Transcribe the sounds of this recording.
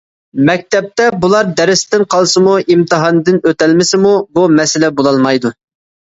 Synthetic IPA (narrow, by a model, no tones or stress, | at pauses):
mɛk̚ʲt̪ɛp̚t̪ɛbulˠɑɾd̪ɛɾɪst̪ɪnqʰɑlˠsɨmuimt̪ʰɨɦɑnd̪ɨnøt̪ɛlmɪsɪmubumɛsɪlɛbolˠɑlˠmɑjd̪u